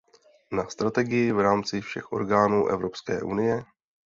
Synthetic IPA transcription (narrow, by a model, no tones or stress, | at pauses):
nast̪ɾat̪ɛɡɪjɪvɾaːmt͡sɪfʃɛxʔo̞̰ɾɡaːnuːʔɛ̰vɾo̞pskɛ̰ːʔunɪjɛ